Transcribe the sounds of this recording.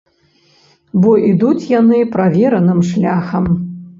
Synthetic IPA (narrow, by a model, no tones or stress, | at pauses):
bɔʔid̪ut͡sʲjanɨpɾavʲɛɾɐnɨmʂlʲaxɐm